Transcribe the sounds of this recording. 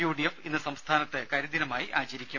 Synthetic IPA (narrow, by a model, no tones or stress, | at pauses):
juːɖijefinːɨsɐmst̪ʰaːnɐt̪ːɨkɐɾud̪inɐmaːjiʔaːt͡ɕɐɾikʲːu